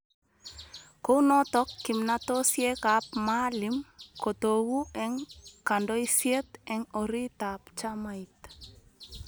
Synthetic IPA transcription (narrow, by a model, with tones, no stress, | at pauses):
ko˦u˦nɔ˦t̪ɔ˦kːɪ˨mnato˦sje˦ka˨p̚ma˦lɪ˨mko˨t̪o˨wu˦ɛ˦ŋka˨ndɔ˦i˦sje˦t̪ɛ˦ŋɔ˨ɾi˦t̪apt͡ʃama˦it̪